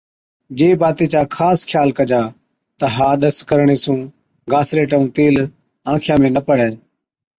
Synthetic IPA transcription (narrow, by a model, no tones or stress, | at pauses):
d͡ʒeːbaːt̪eːt͡ʃaːkʰaːskʰjaːlkəd͡ʒaː | t̪əɦaːɗəskəɾɳeːsũː | ɡaːsɾeːʈəũːt̪eːl | ãːkʰɪjãːmẽːnəpəɽ̤ɛː